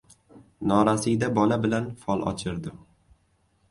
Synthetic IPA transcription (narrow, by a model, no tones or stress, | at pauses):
nɒɾasijd̪abɒlabɪlanfɒlˠɒ̰t͡ʃʰɪɾd̪ɪm